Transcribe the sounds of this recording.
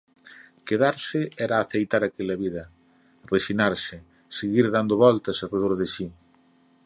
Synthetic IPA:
keðaɾsɪɛɾaːθejt̪aɾakelɐβiðɐ | reʃinaɾsɪ | seɣiɾðand̪oβɔlt̪ɐsareðoɾðɪʃi

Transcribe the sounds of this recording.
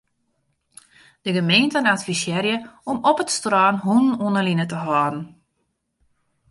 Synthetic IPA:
d̥əɡəmeːntənatfisjɛɾjəɔmɔpətstrɔːnɦunnunəlinətəɦɔːdn̩

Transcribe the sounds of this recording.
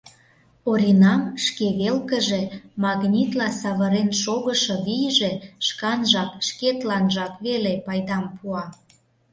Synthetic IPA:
oɾʲinɑmʃkeβelkəʒemɑɣnʲit̪lɑsɑβəɾenʃoɣəʃɤ̆βijʒe̽ʃkɑnʒɑkʃket̪lɑnʒɑkβelepɑjd̪ɑmpuɑ

